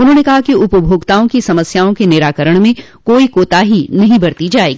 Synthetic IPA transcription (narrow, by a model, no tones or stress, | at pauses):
ʊnɦõːnekɐɦakiʊpəbʱoːɡt̪aːõkisɐməsjaːõkenɪɾaːkəɾəɽ̃mẽ | koːikoːt̪aɦinɐɦĩbɐɾt̪id͡ʒaːeːɡiː